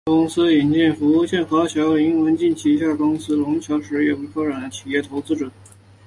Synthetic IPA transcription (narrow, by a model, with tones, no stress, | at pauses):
kʊ˥ŋsɹ̩˥i˨˩nt͡ɕɛ˥˩nfu˧˥u˥˧ɕjɛ˥˩nxɑ˧˥ʊt͡ɕʰjɑ˧˥ʊli˧˥ŋwə˧˥nt͡ɕi˥˩nt͡ɕʰi˧˥˧ɕja˥˩kʊ˥ŋsɹ̩˥lʊ˧˥ŋt͡ɕʰjɑ˧˥ʊʂɻ̩˧˥jɛ˥˩pu˧˥kʰɑ˥ʈ͡ʂa˨˩nd̪ə˦t͡ɕʰi˨˩jɛ˥˩t̪ʰo˧˥ʊt͡sɹ̩˥ʈ͡ʂə˨˩˦